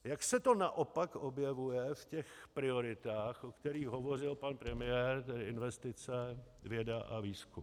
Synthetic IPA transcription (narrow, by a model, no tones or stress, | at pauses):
jaksɛt̪o̞naʔo̞pakʔobjɛvujɛfcɛxpɾɪo̞ɾɪt̪aːxʔokt̪ɛɾiːɣɦo̞vor̝ɪlpanpɾɛmɪjɛɾt̪ɛdɪɪnvɛst̪ɪt͡sɛvjɛdaʔa̰viːskum